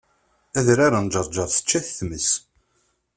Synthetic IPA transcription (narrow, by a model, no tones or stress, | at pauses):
æðɾaɾand͡ʒəɾˤd͡ʒɑɾˤθə̥t͡ʃːæθθməs